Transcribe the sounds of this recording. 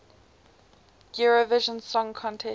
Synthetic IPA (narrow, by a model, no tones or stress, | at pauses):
ɡ̥juɹovɪʒə̃nsɔ̃ŋkʰɔ̃ntʰɛ